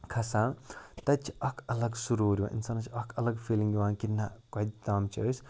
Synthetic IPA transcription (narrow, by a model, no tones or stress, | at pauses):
kʰɐsaːɳt̪ɐt͡ʃʰi̥ɐkʰɐlɐɡsuɾuɾʲiʋã̰ʔḭnsaːnɐt͡ʃʰiɐkʰɐlɐɡfʰiːliŋɡʋãːnkinakɐd̪̚t̪ɐmt͡ʃʰiəs